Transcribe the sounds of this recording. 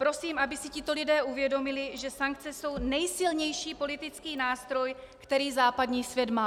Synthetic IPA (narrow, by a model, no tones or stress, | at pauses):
pɾo̞siːmʔabɪsɪcɪt̪o̞lɪdɛːʔuvjɛdo̞mɪlɪʒɛsaŋkt͡sɛso̞wnɛjsɪlɲɛjʃiːpo̞lɪt̪ɪt͡skiːnaːst̪ɾo̞j | kt̪ɛɾiːzaːpadɲiːsvjɛd̪maː